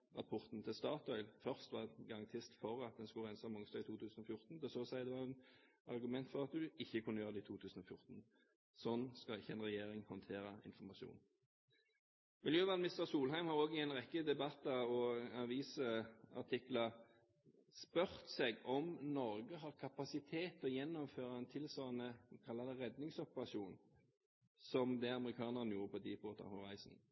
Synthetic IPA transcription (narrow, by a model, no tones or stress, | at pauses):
ʁɑpʰɔʁt̪n̩t̪ʰɪlst̪ɑːt̪ɔʏlfœʁst̪ʋɑɡɑɑŋt̪ʰɪst̪fɔʁɑt̪̚d̪ɛnskʉʁæɪnsɑmɔŋst̪ɑːɡɪt̪ʰuːt̪ʰʉːsn̩ɔfjʊʁt̪n̩d̪ɛsɔːsæɪd̪ɛʋɑʁɛn | ɑ̰ʁɡʉmɛnt̪fɔʁɑt̪̚d̪ʉɪçːəkʰʉnːəjøːʁd̪ɛɪːt̪uːt̪ʰʉːsn̩ɔfjʊʁt̪n̩ | sɔnːskɑɪçːəɛnʁɛjeːʁɪŋhɔnt̪ʰeːʁəɪ̰nfɔʁmɑʃṵːn | mɪljøːʋɑːmɪst̪əʁsuːlɦæɪmhɑːʁoːɡɪɛɪnʁɛkːəd̪ɛbɑt̪ːɑɔɑʋiːsɑ̰ʈʰɪklɑ | spœʁt̪sɛɡɔmnɔɾɡəɦɑːʁkʰɑpɑsɪt̪ʰeːt̪ɔjɛnːɔmføːɾɑɛnt̪ʰɪlsɔnːəkʰɑlːɑd̪ɛʁɛd̪nɪŋsɔpəʁɑsuːn | sɔmd̪ɛɑməʁɪkʰɑːnəʁənjuːʁəpʰɔd̪iːpoːt̪ɑ̰hɔʁæɪsn̩